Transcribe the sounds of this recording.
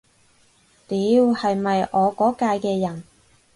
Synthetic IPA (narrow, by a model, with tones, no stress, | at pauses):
t̪iː˨˧˥whɐ˨jmɐ˨jʔɔː˨˧kɔː˨˥kaː˧jkɛː˧jɐ˨˩n